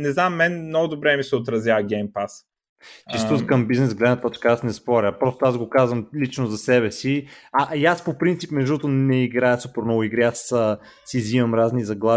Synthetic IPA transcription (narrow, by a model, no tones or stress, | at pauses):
nɛznamːɛnmnɔɡʊd̪obɾɛmisɛot̪ɾɐzʲjaɐɡʲɛjmpas | t͡ʃist̪ut̪kəmbiznɛsɡlɛd̪nət̪t̪ɔt͡ʃkəasnɛspɔɾʲəpɾɔst̪oazɡokazvɐmlit͡ʃnozɐsɛβɛsiaʔaspopɾint̪sipmɛʒd̪uot̪onɛiɡɾaɛsupɛɾnɔɡʊiɡɾiasəː | izivɐmɾaznizɐɡlˠa